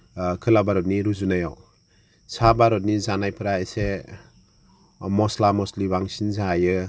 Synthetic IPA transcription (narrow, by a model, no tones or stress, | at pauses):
kʰɯlabaɾɔt̚niɾuzunajaw | sabaɾɔt̬̚nizanajpʰɯɾaese | mɔslamɔslibaŋsinzajɯ